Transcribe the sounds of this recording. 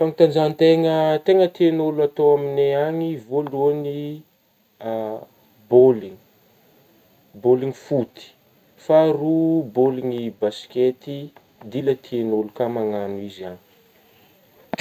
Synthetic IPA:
faŋit̪and͡ʒant̪eŋət̪eŋət̪enoluat̪oamineaŋivoluani | boliŋi | boliŋifut̪i̥ | faruboliŋibasi̥kʲet̪i | d̪ilət̪ʰienolukamaŋanuizani̥

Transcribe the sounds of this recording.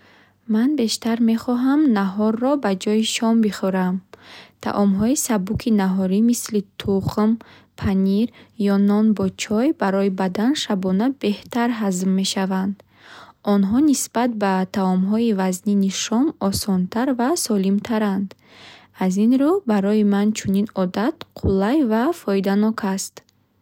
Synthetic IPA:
manbe̞ʃt̪aɾme̞χɔɦamnaɦɔrːɔbad͡ʒɔjiʃɔmbiχɔɾamt̪ʰa̰ʔɔmɦɔisabukʰinaɦɔɾimislit̪ʰuχm | pʰaniɾjɔnɔnbɔt͡ʃʰɔjbaɾɔibad̪anʃabɔnabe̞ht̪ʰaɾɦazmːe̞ʃavand̪ | ɔnɦɔnisbat̪̚bat̪ʰaɔmɦɔivazniniʃɔmɔsɔnt̪ʰaɾvasɔlimt̪ʰaɾand̪ | azinɾubaɾɔimant͡ʃʰuninɔd̪at̪qʰulajvafɔid̪anɔkʰast̪

